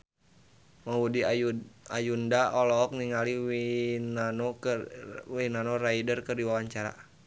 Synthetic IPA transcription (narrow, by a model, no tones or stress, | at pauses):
mawudia̰jundaɔlɔk̚niŋaliinanɔ | winanɔraidərkɨrdiwawaɲt͡ʃaɾa̰